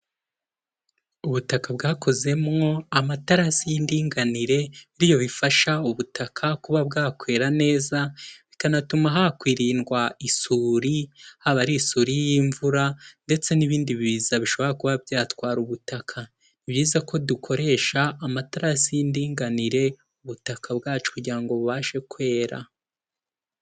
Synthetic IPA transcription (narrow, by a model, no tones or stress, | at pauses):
uβutakabɡaːkʰo̞ze̞mŋo̞amataɾasijindiːŋɡaniɾe̞βiɾijo̞βifaʃauβutʰakʰakuβabɡaːkwe̞ːɾane̞ːzaβikanatumaɦakwiːɾiːnɡwaisuːɾihaβaɾiːsuːɾijiɱvuɾande̞t͡se̞niβiːndiβiβiːzaβiʃo̞βo̞ɾakuβabjaːtwaːɾuβutakʰa | iβjiːzako̞dukʰo̞ɾe̞ʃaːmataɾasijindiːŋɡaniɾe̞ | uβutakʰabɡaːt͡ʃo̥kuɟiɾaŋɡo̞βuβaːʃe̞kwe̞ːɾa̰